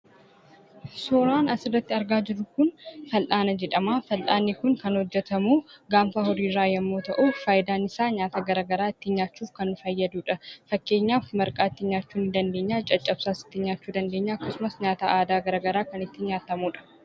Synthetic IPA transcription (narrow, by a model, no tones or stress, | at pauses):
soːɾaːnɐsɪrːɐt̪ːɪɐɾɡaːd͡ʒɪɾʊkʊnfɐlʔaːnɐd͡ʒɛᶑɐmaːfɐlʔaːnːɪkʊŋkɐnhɔd͡ʒːɛt̪ɐmuːɡaːmfahɔɾiːɾːaːjɛmːo̞ːt̪ɐʔufaːjɪd̪aːnɪsaːɲaːt̪aːɡɐɾaːɡɐɾaːɪt̪ːɪɲaːt͡ʃːuːfkɐnːʊfɐjːɐd̪uːᶑɐfɐkːe̞ːɲːaːfmɐɾkʼaːɪt̪ːɪɲaːt͡ʃːuːnɪd̪ɐnd̪e̞ːɲːaːt͡ʃʼɐt͡ʃʼːɐb̥saːsɪ̥t̪ːɪɲaːt͡ʃːuːd̪ɐnd̪e̞ːɲːɐɐkːɐsʊmɐsɲaːt̪aːʔaːd̪aːɡɐɾaːɡɐɾaːkɐnɪt̪ːɪɲaːt̪ɐmuːᶑɐ̥